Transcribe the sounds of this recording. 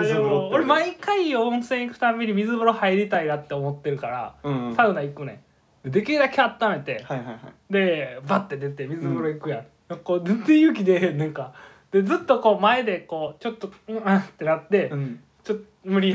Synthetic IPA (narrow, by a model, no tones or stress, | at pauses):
oɾemaikaiõñsẽɰ̃ikɯ̟̥t̪amʲeɲ̟imʲizɨbɯɾo̞haiɾʲit̪ainat̪ːe̞omo̞t̪ːe̞ɾɯ̟kaɾa̰saɯ̟naikɯnẽ | d̪ed̪e̞kʲid̪akeat̪ːame̞t̪e̞hajhajhad̪e̞bat̪ːed̪et̪emʲizɨbɯɾoikɯ̟jã | nakod̪t̪ejɯ̟k̬ʲid̪e̞nãŋka | d̪̥e̞d͡zɨt̪ːo̞ko̞ːmae̞d̪e̞ko̞ːt͡ɕo̞t̪ːoɯ̃at̪ːe̞nat̪ːe̞ | t͡ɕot̪ː | mɯ̟ɾʲi